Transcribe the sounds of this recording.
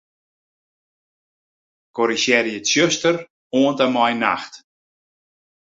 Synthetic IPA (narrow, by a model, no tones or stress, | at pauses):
kɔɾisɛɾjətsjøstər | oəntamɔjna̰xt